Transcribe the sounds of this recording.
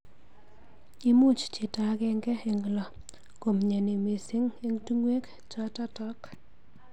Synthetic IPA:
i˦mu˦t͡ʃt͡ʃi˨ta˨˦kɛ˦ŋɡɛ˦e˨ŋ˨lɔ˨ | ko˨mɲe˨ni˨me˨sɪ˦ŋe˦ŋtu˦ŋwe˦k | t͡ʃɔ˦ta˦tɔ˦k

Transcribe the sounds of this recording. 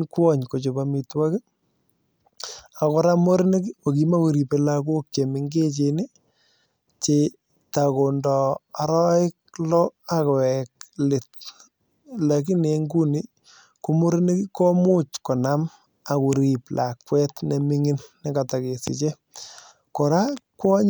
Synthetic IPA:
kwɔ˦ɲko˨t͡ʃo˨bamitwa˦kɪ˦ | a˨kɔ˦ɾa˦mo˦ɾne˦ki˦o˨kima˦ku˨ɾi˨pe˨la˦ko˦k̚t͡ʃe˨mɪŋɡe˦t͡ʃenɪ˦ | t͡ʃe | ta˨ko˨ndɔ˨a˨ɾɔ˦ɪ˦k̚lɔ˦a˦kɛ˨klɪ˨t | la˨k̬i˦ne˨ŋɡu˦ni˦ | ku˦mo˦ɾɪ˦ne˦ki˦kɔ˦mʊ˦t͡ʃkɔ˨na˦m | a˨ku˨ɾi˨plʔa˨kwɛ˦tnɛ˨mɪ˦ŋɪ˦nːɛ˦ka˨ta˨ke˨sɪ̰˨t͡ʃe˦ | ko˨ɾa˦kwɔ˦ɲ

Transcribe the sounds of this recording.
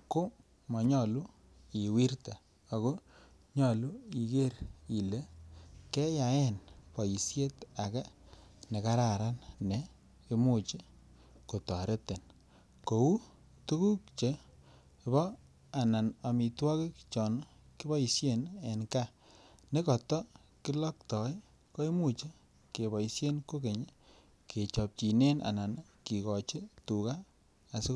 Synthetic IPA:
ko˦ | mɔ˨ɲɔ˨lu˦ | i˨wi˦rta˨ | a˨ko˦ | ɲɔ˨lu˦i˨ke˦ɾi˨le˦kɛ˦ja˨ɛ˦˨npɔ˨ji˨sje˦ta˨ka˦ne˨ka˦ɾa˨ɾa˦nne˨ | e˦mu˦˨t͡ʃe˦ | ko˨tɔ˨ɾe˦te˨n | ko˨u˦ | tu˦ku˦k̚t͡ʃe˨ | e˨βɔ˦ | a˨na˨na˨mi˨twɔ˦kɪ˦kt͡ʃɔ˨n˦ | ki˦bɔ˦i˨sje˦˨ne˨nka˦ne˦kɔ˨tɔ˦ | ki˦lɔ˦ktɔ˨˦j | ko˦e˦mu˦t͡ʃe˦ | ke˨βɔ˨i˨sje˦nko˦ke˨ɲe˦ | ke˨t͡ʃɔ˨p̚t͡ʃi˨ne˦na̰˨na˨n | ki˨kɔ˨t͡ʃi˦tu˨kaː˦˨ | si˦

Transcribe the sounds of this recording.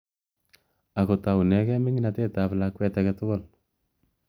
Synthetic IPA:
a˨ko˨ta˨wu˨nɛ˨kɛ˦mɪ˦ŋɪnate˦taβlakwɛ˦taketo˦ɡo˦˨l

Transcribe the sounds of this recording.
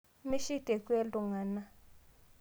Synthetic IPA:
mi˦ʃi˦tʼɛ˨kʼwe˦lʼu˨ŋa˨na˦

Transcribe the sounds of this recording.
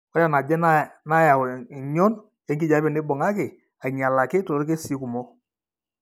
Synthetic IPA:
ɔ˦ɾa˨na˨d͡ʒɛ˦na˦na˦ja˨i˨ɲɔ˦n | jɛ˦ŋɡi˦ɟa˨˦bɪ˨nɪ˦bɔ˨ŋa˦kɪ˨ | a˨ɲa˨la˨kɪ˦to˨˦ke˦si˨˦ku˨mɔ˦

